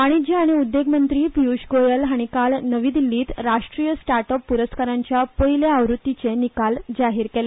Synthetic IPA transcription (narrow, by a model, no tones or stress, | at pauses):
aɽ̃id͡ʑiaɽ̃iud̪ːeɡmənt̪ɾiːpiuɕɡojəlɦaɽ̃ikalnəʋiːd̪ilːiːt̪ɾaʂʈɾijəsʈaɾʈəpːuɾəskaɾãɲt͡ɕjapəileaʋɾut̪ːit͡senikald͡ʑaɦiːɾkele